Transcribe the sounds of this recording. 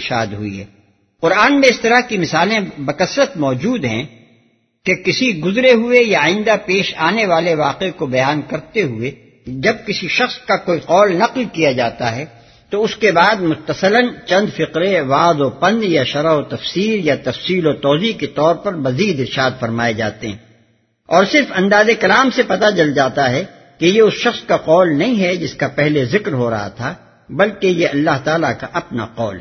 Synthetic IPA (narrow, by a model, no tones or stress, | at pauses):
ɾʃaːd̪ɦʊḭɦɛ̰ː | qʊɾaːnmẽɪst̪ɐɾaɦkimɪsaːlẽbɐkɐsɾət̪mɔːd͡ʒuːd̪ɦɛ̃ | kekɪsiɡʊzɾeɦʊejaaːɪ̃nd̪apeːʃaːneʋaːleʋaːqekobɐjaːnkɐɾt̪eɦʊe | d͡ʒɐb̚kɪsiʃɐxskakoːiqɔːlnɐqlkijad͡ʒaːt̪aɦɛ | t̪oʊskebaːd̪mʊt̪ːəsələnt͡ʃɐ̃nd̪fɪqɾẽʋaːd̪opɐ̃nd̪jaʃɐɾaɦot̪ɐfsiːɾjat̪ɐfsiːlot̪ɔːziket̪ɔːɾpɐɾmɐziːd̪ɪɾʃaːd̪fɐɾmaːed͡ʒa̰ːt̪eɦɛ̃ | ɔːɾsɪɾfɐ̃nd̪aːzekɐlaːmsepɐt̪at͡ʃɐld͡ʒaːt̪aɦɛ | kejeʊsʃɐxskaqɔːlnɐɦĩɦɛd͡ʒɪskapɛɦlezɪkɾɦoɾɐ̰ɦa̰t̪ʰa | bɐlkejeɐlːaɦt̪aːlakaʔɐpna̰qɔ̰ːl